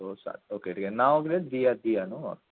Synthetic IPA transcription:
osa̰t̪̚oːkeʈʰiːkenaːokled̪ijad̪ijanũɔ̰ɾ

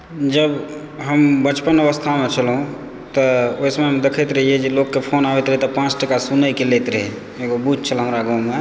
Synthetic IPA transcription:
d͡ʒəb | ɦəmbət͡ʃpənəʋəst̪ʰamet͡ʃʰəlɦũ | t̪əoismeɦəmd̪ekʰət̪ɾəɦied͡ʒelokːepʰonaʋɛt̪ɾəɦit̪ɔpãt͡ʃʈəkasunəkelet̪ɾəɦe | eɡobud͡ʒʱt͡ʃʰəlɦəmɾaɡawme

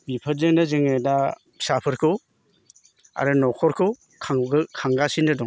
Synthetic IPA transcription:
bipʰɯɾzɯŋdɯzɯŋeda | sapʰɯɾkʰɯ | a̰ɾɯnɔkʰɔɾkʰɯ | kʰaŋkʰaŋɡasindɯdɔŋ

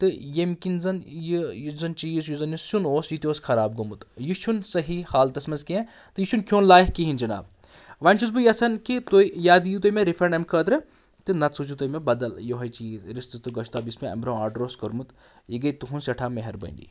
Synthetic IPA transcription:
t̪ɨjemkinzɐnjijuzɐnt͡ʃijisjuzɐnjusunoːsjut̪ʲoːskʰɐɾaːb̚ɡɐmut̪jiʃʰunsɐɦihaːlt̪ɐsmɐnzkeẽ | t̪ɨjit͡ʃʰunkʰjoːnlaːjhkiɦind͡ʒɐna̰ːb̚ | ʋanʲt͡ʃʰuz̬bɨjɐsɐnkit̪oijaːd̪ijut̪ojmeɾifʰɾeɳɖɐmkʰəːt̪ɾɨ | t̪ɨnɐt̪sʰut͡ʃut̪ojmebɐd̪ɐljoɦɐjt͡ʃiːzɾist̪ɨst̪ɨɡɐʃʰt̪aːbismeɐ̰mbɾoːaːɖɾoːskɐɾmut̪ | jiɡɐjt̪uɦunsɐʈʰaːmeɦɐɾbə̰nʲɖḭ

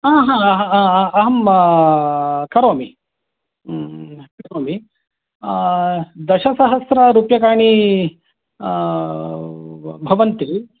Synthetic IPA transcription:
aːɦãːɦɐaɐɦɐm | kɐɾoːmi | kɐɾoːmi | d̪ɐʃɐsɐɦɐsɾɐɾuːpjɐkaːɳi | bʱɐʋɐnt̪i

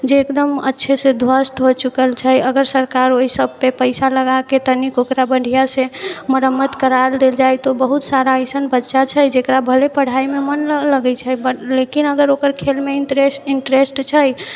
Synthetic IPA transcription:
d͡ʒeːkd̪əmə̰tːʃʰesed̪ʱwəsʈ̪ɦot͡ʃukəlt͡ʃʰəjəɡəɾsəɾkaɾoɦisəb̚pepəɪsaləɡaket̪ənikokɾabəɳɖʱijasẽməɾəmːət̪kəɾald̪eld͡ʒajt̪obəɦut̪saɾaəjsənbətːʃat͡ʃʰəjd͡ʒekɾabʱəlepəɽ̤aimemənləɡɛt͡ʃʰəbəlekinəɡəɾokəɾkʰelmeeiɳʈɾesʈt͡ʃʰəj

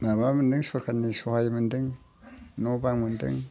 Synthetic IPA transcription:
mamamənd̪əŋsuɾkʰanisuhajmɨnd̪ɨŋ | nobaŋmɨnd̪ɨ̰ŋ

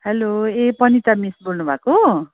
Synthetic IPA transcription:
heloepʌnit̪ʌmisbolnubʱako

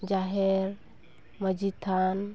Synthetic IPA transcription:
d͡ʒaɦeɾ | məd͡ʒit̪ʰan

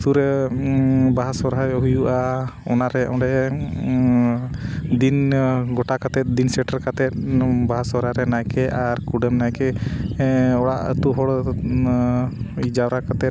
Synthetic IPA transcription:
suɾɛ | baɦasɔɾajɦujuʔaɔ̰naɾɛɔ̰̃ɖɛʔ | d̪inɡɔʈakat̪ɛt̪̚d̪insɛʈaɾkat̪ɛt̪̚baɦasɔɾaɾɛnajkɛaɾkuɖɛmnajkɛ | ɔɽa̰ʔə̰t̪uɦɔɽ | id͡ʒawɾakat̪ɛ

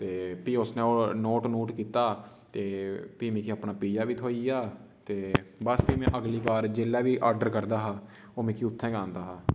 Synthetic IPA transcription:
t̪eːpiːʊsnẽːoːnoːʈnoːʈkiːt̪aː | t̪eːpiːmẽːkiaːpnaːpiːd͡ʒaːʋiːt̪ʰoːiːjaː | t̪eːbəspiːmɛ̃ːʔəɡliːbaːɾd͡ʒeːlːaːʋiːʔaːɾɖəɾkəɾd̪aːɦaː | oːmɛ̃ːkiːʊt̪ʰːɛ̃ːɡãːnd̪aːɦaː

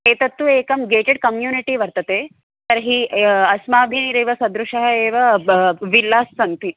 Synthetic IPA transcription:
eːt̪ɐt̪ːueːkɐmɡeːʈeɖ̚kɐmjuːniʈiʋɐɾt̪ɐt̪eː | t̪ɐɾɦiːɐsmaːbʱiɾeːʋɐsɐd̪ɾuʂɐɦɐeːʋɐʋilːaːsːɐnt̪i

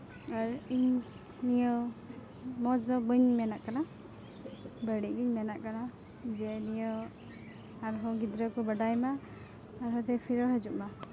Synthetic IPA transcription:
aɾiɲ | nijɔ | mɔzɔbɯɲmɛnaʔkana | bəɽiʔɡiɲmɛnaʔkana | d͡ʒɛnijɔ | aɾɦɔɡid̪ɾɔkɔbəɖajmaː | ɾɦɔt̪ɛpʰiɾɔɦɛd͡ʒuʔma

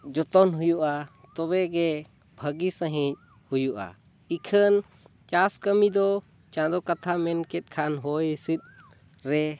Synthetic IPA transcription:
d͡ʒɔt̪ɔnɦujuʔa | t̪ɔβɛɡɛ | bʱəɡisə̃ɦĩc̚ | hujuʔa̰ | ikʰən | t͡ʃaskəmid̪ɔ | t͡ʃãd̪ɔkat̪ʰamɛnkɛt̪̚ˀkʰanɦɔjisit̪̚ | ɾɛ

